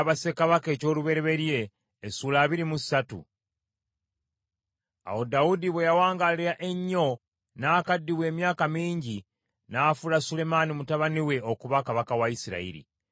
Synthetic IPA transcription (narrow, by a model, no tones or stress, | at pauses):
βase̞kaβake̞ːco̞ːluβe̞ɾe̞βe̞ɾje̞ː | suːlaːβiɾimusatṵ | a̰wo̞daudiβejawaːŋɡaliɾaʔe̞ɲːo̞ | naːkadːiwe̞ːmjaːkamiːɲɟi | nafulasule̞manimutaβaniwe̞o̞kuβakaβakawaisiɾa̰ḭɾḭ